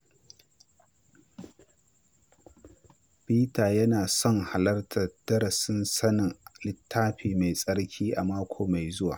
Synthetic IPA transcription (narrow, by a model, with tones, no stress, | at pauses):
ɸiː˦taː˨jɐ˦naː˨sɔ˦ŋha˨lɐ˦rtʰɐ˨d̥ɐ˦ɽɐ˨sɪ˦nsɐ˦nɪ˨ŋlɪ˦tʰːaː˦ɸiː˨ma˨jsʼɐ˦ɽkʲʰiː˦ʔa˨maː˦kʷʰoː˨ma˨jzʊ˦wa̰ː˨